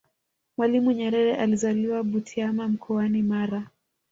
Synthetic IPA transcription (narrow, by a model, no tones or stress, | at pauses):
mwalimuɲɛɾɛɾɛʔalizaliwaɓutʰiamam̩kʰɔanimaɾa